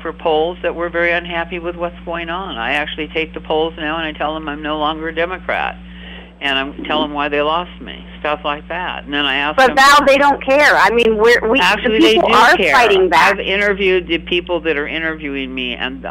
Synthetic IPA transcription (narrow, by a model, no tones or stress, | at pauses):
fə˞pʰoʊlˠzðɨʔ̚wɪɹvɛɹiʌ̃nɦæpiwɨðwʌtsɡ̥oʊɪ̃ŋə̃na̰ɪæk̚t͡ʃʉl̩ˠitʰeɪk̚ðəpʰoʊlˠznaʊə̃ñaɪtʰɛlˠðə̃mãɪ̃mnoʊlɔ̃ŋɡə˞ɨdɛmɨkʰɹ̥æ̰t̚ | ɨ̃ñãɪ̃tʰɛlˠə̃mwaɪðeɪlɔst̚mḭstʌflaɪk̚ðæ̰t̚n̩ðɨ̃naɪæsb̥ʌtðaʊðeɪɾõʊ̃nkʰɛɹa̰ɪmĩnwɪɹwiæk̚l̩ˠieɪl̩ˠɨə˞ɛaɪɾɪ̃ŋðæaɪvɪ̃ɾ̃ə˞vjʉd̪̚ðɨpʰipl̩ˠðɨɾə˞ʔɪ̃ɾ̃ə˞vjʉɪ̃ŋmiɨ̰̃n